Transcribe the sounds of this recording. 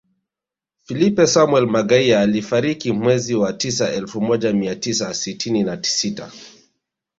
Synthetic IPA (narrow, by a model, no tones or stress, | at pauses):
filipɛsamwɛlmaɠaiaːlifaɾikimwɛziwatis̬aɛlfumɔʄamiatis̬asitininati̥sita̰